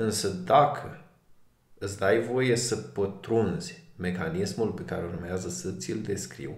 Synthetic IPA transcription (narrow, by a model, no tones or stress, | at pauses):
ɨnsəd̪akʰə | ɨt̪sʲd̪ajvo̞je̞səpət̪ɾunz̥ʲme̞kanismulpe̞kaɾe̞urmeazəsət̪sʲild̪e̞skɾḭw